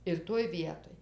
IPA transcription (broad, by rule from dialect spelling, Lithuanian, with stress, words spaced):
ɪr ˈtoːj ˈʋʲiɛtoːj